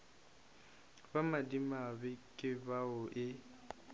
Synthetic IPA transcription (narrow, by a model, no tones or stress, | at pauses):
bamadimabɪkʼɪbaʊʔɪ